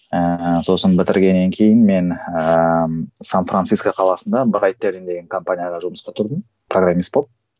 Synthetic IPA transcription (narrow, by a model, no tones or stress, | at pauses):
əso̞sənbɪt̪ɪɾɡʲe̞nːe̞ŋkʲʰe̞jɪnme̞n | sanfrʔansijskoqʰɑlˠɑsənd̪ɑbəɾɑjt̪ːeɾind̪e̞ɡʲɪŋkʰo̞mpanʲijaʁɑʒʊməsqɑt̪ʰʊɾd̪əm | pʰroɡramːist̪̚bop̚